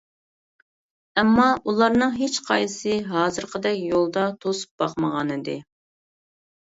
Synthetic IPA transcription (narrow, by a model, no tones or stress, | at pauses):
ɛmːɑʔulˠɑɾnɨŋɦet͡ʃqʰɑjsɨɦɑːzɨɾqʰəd̪ɛkʲjolˠd̪ɑt̪ʰosu̥p̚bɑqməʁɑnɨd̪ɨ